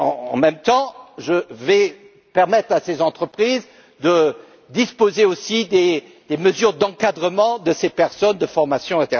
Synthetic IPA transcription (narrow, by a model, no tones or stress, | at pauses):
ɑ̰̃ɑ̰̃mɛmt̪ɑ̃ʒəvɛ | pɛʁmɛt̪χasezɑ̃t̪χəpχiz | d̪ə | d̪ispozeosid̪e | d̪̥eməzyʁd̪ɑ̃kad̪ʁəmɑ̃d̪əsepɛʁsɔnd̪əfɔʁmasjɔ̃ɛ̃t̪eʁ